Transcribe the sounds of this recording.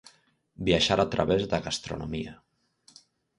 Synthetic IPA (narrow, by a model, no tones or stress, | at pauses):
biaʃaɾat̪ɾəβezðəɣast̪ɾṵnomiə